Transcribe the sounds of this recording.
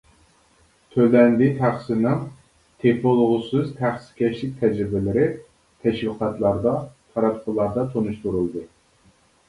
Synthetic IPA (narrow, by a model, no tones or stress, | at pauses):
t̪ʰølɛnd̪ɪt̪ʰæχsɨnɨm | t̪ʰepolˠʁʊsɨzt̪ʰæχsɪ̥kʲʰɛʃlɪk̚ʲt̪ʰɛd͡ʒɾɪbɪlɪɾɪ | t̪ʰɛʃwɨqʰɑt̪lˠɑɾd̪ɑt̪ʰɑɾɑp̪qʰəlˠːɑɾd̪ɑt̪ʰonuʃt̪uɾulˠd̪ɨ